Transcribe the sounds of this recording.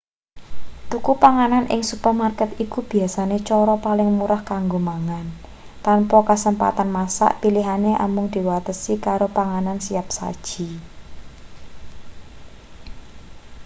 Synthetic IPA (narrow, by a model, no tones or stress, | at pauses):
t̪ukupaŋananʔɪ̰ŋsupərmarkɛt̪ikub̥i̤asanet͡ʃɔɾɔpalɪŋmuɾahkaŋɡomaŋan | t̪ampɔkasəmpa̰t̪anmasa̰ʔpiliɦaneʔa̰mʊŋd̪̥i̤wat̪əsikaɾopaŋanansiap̚sa̰d̥ʒ̥i̤